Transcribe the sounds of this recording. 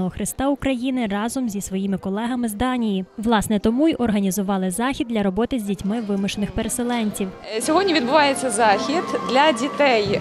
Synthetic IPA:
ɔɦɔxɾɪst̪ɑʊkɾɐjinɪrɑzɔmzʲisʋɔjimɪkɔlˠɛɦɐmɪzd̪ɑnʲijiʋlˠɑsnɛt̪ɔmujʔɔrɦɐnʲizʊʋɑlˠɪzɑxʲid̪lʲɐɾɔbɔt̪ɪzʲdʲitʲmɪʋɪmʊʃenɪxpeɾeselˠɛnʲtʲiwsʲɔɦɔdʲnʲiʋʲid̪bʊʋɑjet͡sʲːɐzɑxʲid̪d̪lʲɐdʲit̪ɛj

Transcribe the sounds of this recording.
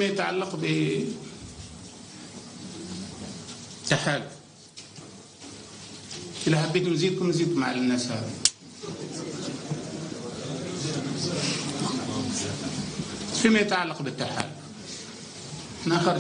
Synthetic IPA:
majət̪ʕa̰lːaqbi | t̪ːaħaːl | kilaħabːit̪mziːd̪̚kumziːd̪̚kumʕa̰lanːasha̰ða | fimajət̪ʕalːaqbɪt̪ːaħa̰l | naxaɾ

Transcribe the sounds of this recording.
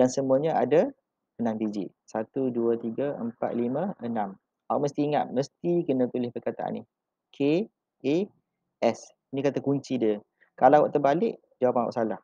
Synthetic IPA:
dansəmuəɲaada | ənãmbid͡ʒḭʔ | sat̪uduət̪iɡaəmpa̰t̪̚limə̃ənam | o̰ʔ̚məst̪iːŋa̰t̪̚məst̪ikənə̃p̪ilɪhpərkat̪a̰ʔa̰nːi | kʰe | e | ʔɛs | inikat̪akuɲt͡ʃidiə | kalawa̰ʔt̪ərbalɪʔ | d͡ʒawapanwa̰ʔsalah

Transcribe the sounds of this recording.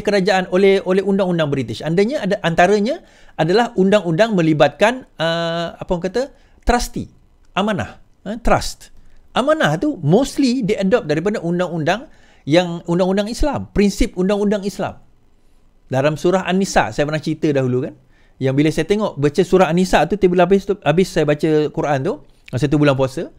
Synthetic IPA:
kəɾad͡ʒaʔanolɛholɛhundaŋundaŋbɾit̪ɪʃandaɲaadaʔant̪aɾəɲa | ʔadalahundaŋundaŋmə̃libat̪̚kanəapəkat̪a | t̪ɾast̪ḭ | ʔamãna̰h | ət̪ɾa̰st̪ʔamãnaht̪umost̪lidiʔadɔp̚daɾip̬adaʔundaŋundaŋ | jaŋundaŋundaŋislampɾinsip̚undaŋundaŋisla̰m | dalamsuɾaɦa̰nisa̰ʔsajapərnaŋt͡ʃit̪ədaɦulukan | jaŋbilasajat̪eŋɔʔbat͡ʃəsuɾahanisaʔt̪ut̪ebulabɪst̪uabɪsːajabat͡ʃəkuɾʔant̪u | sajat̪ubulanp̬uasə

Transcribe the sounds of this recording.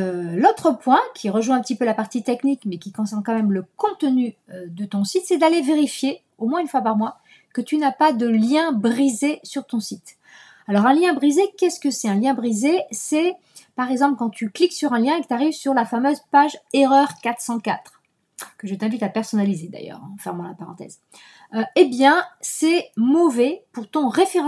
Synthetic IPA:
lot̪χəpwɛ̃kʲʰiʁəʒwɛ̃ɛ̃pət̪ipølapaʁt̪it̪ɛknikmɛkʲikɔ̃sɛʁnkɑ̃mɛmləkɔ̃t̪ənyød̪ət̪ɔ̃sit̪sɛd̪aleveʁifje | omwɛ̃ynfwapaʁmwa | kət̪ynapad̪əljɛ̃bʁizesyʁt̪ɔ̃sit̪ | alɔʁɛ̃ljɛ̃bʁizekʲɛskəsɛɛ̃ljɛ̃bʁizesɛ | paʁɛɡzɑ̃pləkɑ̃t̪ʰykliksyʁɛ̃ljɛ̃ekə̥t̪aʁivsyʁlafamøzpaʒeʁœʁkat̪χsɑ̃kat̪χ | kəʒət̪ɛ̃vit̪apɛʁsɔnalized̪a̰jœ̰ːʁɑ̰̃fɛʁmɑ̃lapaʁɑ̰̃t̪ɛ̰z | øebjɛ̃sɛmɔvɛpuʁt̪ɔ̃ʁefeʁɑ̃

